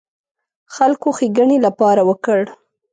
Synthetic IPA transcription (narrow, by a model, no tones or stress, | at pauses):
xalkoxiɡəɳelapɑɾawəkəɽ